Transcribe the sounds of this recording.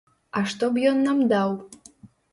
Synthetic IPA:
aʃt̪objonːamd̪aw

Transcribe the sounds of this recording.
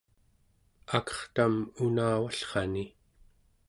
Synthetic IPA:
akʌ̥χt̪amunaːwaɬχɑni

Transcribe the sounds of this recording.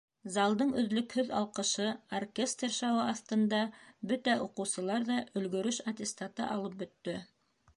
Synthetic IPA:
zɑlˠd̪ɤɴɵ̆ðlɵkhɵðɑ̰lˠqɤ̆ʃɤorkʲest̪rʃɑwɤɑθt̪ɤ̆nd̪ɑbɵt̪æʔuqɤ̆wsɤ̆lˠɑɾðɑʔɵ̆lɡɵ̆ɾɵʃɐt̪ʲɪst̪at̪ɤ̰ʔɑlˠɤp̚bɵ̆t̪ːɵ

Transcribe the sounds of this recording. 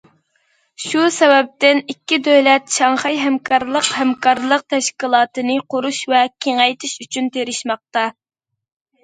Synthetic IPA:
ʃusɛvɛp̚t̪ɪnikʲːid̪øwlɛt̪ʃɑŋχɑjɦɛmkʰɑɾlˠəqhɛmkʰɑɾlˠəq̚t̪ʰɛʃkʲilˠɑːt̪ɨnɨqʰoɾuʃvɛkʲʰeŋɛjt̪ʰɪʃyt͡ʃʰynt̪ʰeɾɪʃmɑq̚t̪ɑ

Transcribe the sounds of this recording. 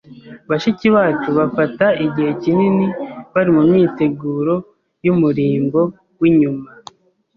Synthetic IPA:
βaʃiciβaːt͡ʃuβafataiɟihe̞cininiβaɾimumɲiːte̞ɡuːɾo̞ | jumuɾiːmbo̞ | wiɲuma

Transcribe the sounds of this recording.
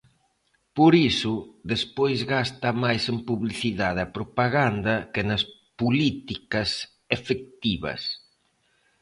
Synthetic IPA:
poɾisʊðespojzɣast̪ɐmajsempuβliθiðaðɐpɾopaɣand̪ɐkenɐspulit̪ikɐs | efek̚t̪iβɐ̰s

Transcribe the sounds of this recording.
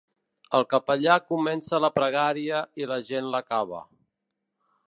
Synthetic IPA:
əlˠkəpəʎakumɛnsələpɾəɣ̞aɾiəiləʒenləkaβ̞ə̰

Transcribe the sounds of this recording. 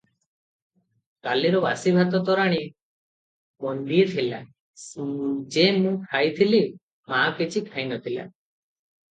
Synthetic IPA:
kaliɾɔbasibʱat̪ɔt̪ɔɾaɽ̃i | bɔnd̪iet̪ʰila | d͡ʒemũkʰajt̪ʰili | makit͡ʃʰikʰajnɔt̪ʰila̰

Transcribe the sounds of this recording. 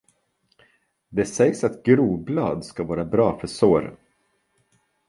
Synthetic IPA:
d̪ɛsɛjsat̪ɡɾuːblɑːd̪skavɑːɾabɾɑːfœsoːɾ

